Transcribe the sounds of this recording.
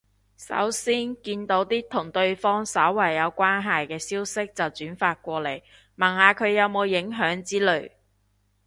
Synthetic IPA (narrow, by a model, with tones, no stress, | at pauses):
sɐ̰˨˥wsiː˥nkiː˧nt̪o˨˥wt̪iː˥t̪ʰʊ˨˩ŋt̪ɵ˧ɥfɔː˥ŋsɐ˨˥wːɐ˨˩jːɐ˨˧wkʷaː˥nɦɐ˨jkɛː˧siː˥wsɪ˥k̚t͡sɐ˨wt͡syː˨˥nfaː˧t̚kʷɔː˧le˨˩j | mɐ˨˩nhaː˨˧kʰɵ˨˧ɥjɐ˨˧wmo˨˧wjɪ˨˥ŋɦœː˨˥ŋt͡siː˥lɵ˨˩ɥ